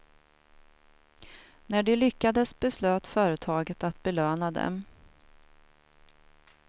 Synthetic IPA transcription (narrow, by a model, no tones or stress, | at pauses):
næɖɛlʏkːad̪əsbɛsløːt̪fœːɾət̪ʰɑːɡət̪at̪bɛløːnad̪ɛ̰m